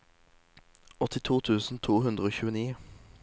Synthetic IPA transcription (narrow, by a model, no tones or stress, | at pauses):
ɔt̪ɪt̪ʰuːt̪ʰʉːsn̩t̪ʰuːhʉnd̪ʁəoːçʉːəniː